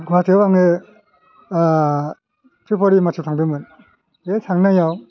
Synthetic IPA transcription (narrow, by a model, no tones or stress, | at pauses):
ɡatʰiwaŋe | tɾipʰɔɾimatʰut̪ʰaŋdɯmɯn | esʰaŋnajaw